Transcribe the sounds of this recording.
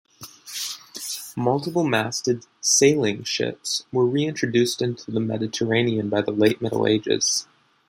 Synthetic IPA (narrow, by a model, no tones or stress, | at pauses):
mʌlˠtəpl̩ˠmæstɨd̥seɪlˠɪ̃ŋʃɪ̰pswə˞ɹiɪ̃ntt͡ʃɹ̥ɨdʉstɪ̃ntʰʉðəmɛ̰ɾɨtʰə˞ẽɪ̃niɨ̃nbaɪðəleɪt̚mɪɾl̩ˠḛɪd͡ʒɪ̰z̥